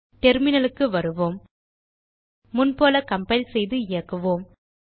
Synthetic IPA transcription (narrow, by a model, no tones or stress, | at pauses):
ʈɛɾmɪnɐlɯkːɯʋɐɾɯʋoːm | mʊnpoːlɐkɐmpɐɪlsɛjðɯɪjɐkːɯʋoːm